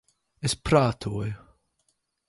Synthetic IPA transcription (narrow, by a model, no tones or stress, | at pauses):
ɪspʰɾaːt̪ʰu